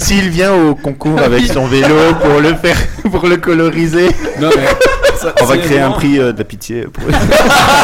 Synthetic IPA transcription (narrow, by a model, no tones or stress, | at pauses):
siːlvjɛ̃okɔ̃kuːʁavɛkssɔ̃velopuʁləfɛʁpuʁləkɔlɔʁize | ɔ̃vakχeeɛ̃pχiød̪apit̪jḛpuʁ